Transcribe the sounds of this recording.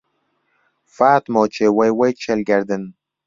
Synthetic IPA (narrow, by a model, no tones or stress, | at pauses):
faːt̪mɔːt͡ʃewajwajt͡ʃʰelɡaɾd̪ən